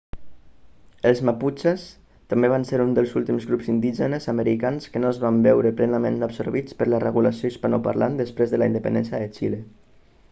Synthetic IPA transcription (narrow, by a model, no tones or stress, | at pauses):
əlˠzmaput͡ʃes | t̪ambeβ̞anseɾund̪əlˠzulˠt̪imzɣɾupzind̪iʒənəzaməɾikanskənoəzβambɛwɾəplɛnəmẽnəbsoɾβit͡spəɾlərəɣuləsioispanɔpa̰ɾla̰nd̪əspɾezðəlaind̪əpə̰nɛ̰nsjəðət͡ʃile